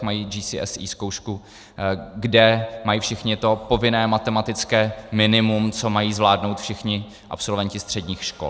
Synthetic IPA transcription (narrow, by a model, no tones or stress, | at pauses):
majiːd͡ʒiːsiɛ̰sḭːsko̞wʃku | ɡdɛmajiːfʃɪxɲɪt̪o̞po̞vɪnɛːmat̪ɛmat̪ɪt͡skɛːmɪnɪmumt͡so̞majiːzvlaːdnowt̪fʃɪxɲɪ | ʔa̰pso̞lvɛɲcɪst̪r̝̥ɛdɲiːxʃko̰l